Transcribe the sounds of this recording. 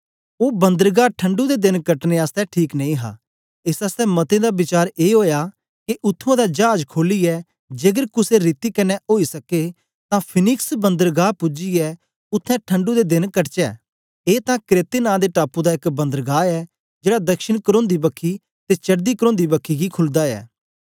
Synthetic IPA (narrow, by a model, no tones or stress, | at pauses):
oːbɐ̃nd̪əɾɡaːʈʰə̃ɳɖud̪ed̪ɪnkɐʈneaːst̪ɛʈʰiːknɐ̃ĩɦa̰ː | ɪsaːst̪ɛmɐt̪ẽd̪abɪt͡ʃaːɾeːɦoːja | kiʔʊt̪ʰːõd̪ad͡ʒaːd͡ʒkʰoːliɛ | d͡ʒeːɡəɾkʊseɾiːt̪ikɐnːɛʔoːisɐke | t̪ãpʰɪnɪksbɐ̃nd̪əɾɡaːpʊd͡ʒiɛ | ʊt̪ʰːɛ̃ʈʰɐ̃ɳɖud̪ed̪ɪnkɐʈt͡ʃɛː | eːt̪ãkɾeːt̪enãːd̪eʈaːpud̪aɪkbɐ̃nd̪əɾɡaːɛ | d͡ʒeːɽad̪ɐkʃɪɽ̃kəɾõːnd̪ibɐkʰːi | t̪et͡ʃɐɽd̪ikəɾõːnd̪ibɐkʰːiɡikʰʊld̪aɛ̰ː